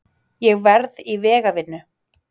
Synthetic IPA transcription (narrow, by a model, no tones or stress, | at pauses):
jɛɣvɛɾðivɛːɣavɪnːʏ